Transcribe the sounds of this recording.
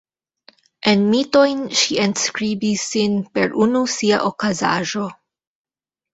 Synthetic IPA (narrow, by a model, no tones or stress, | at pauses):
ʔenmito̞jnʃienskɾibisːinpe̞ɾʔunusia̰ʔokaza̰ʒo̞